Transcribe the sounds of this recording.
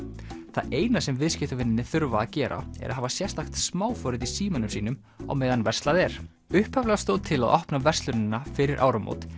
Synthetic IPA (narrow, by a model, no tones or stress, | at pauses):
θa̰eːjnasɛmvɪðscɪht̪ʏvɪnːɪnːɪθʏɾvaːðcɛːɾʔa̰ɛ̰ɾa̰ðɦaːvasjɛr̥t̪axt̪smaːwfɔːɾɪðisiːmanʏmsiːnʏm | a̰wmeːjðanvɛr̥st̪aðɛɾ̥ | ʏhpavlɛɣast̪oːwt̪ʰɪla̰ðʔɔhpnavɛr̥st̪lʏnɪnːafɪɾɪɾʔa̰ːwɾamo̰wt̪